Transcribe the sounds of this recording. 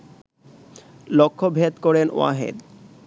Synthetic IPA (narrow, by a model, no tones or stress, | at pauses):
lokʰːobʱet̪koɾeno̰a̰ɦḛd̪